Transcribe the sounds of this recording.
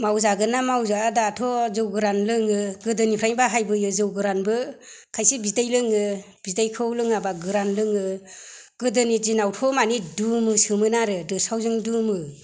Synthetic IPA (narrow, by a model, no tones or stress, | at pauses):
mawzaɡɯnamawzaadatʰɔzɯwɡɯɾanlɯŋɯɡɯdɯnipʰɾajbaɦajbɯjɯzɯwɡɯɾanbɯ | kʰajsibidajlɯŋɯ | b̥idajkʰɯwlɯŋabaɡɯɾanlɯŋɯ | ɡ̥ɯdɯnid͡ʒinawtʰɔmanidumɯsɯmɯnaɾɯdɯsawzɯŋdumɯ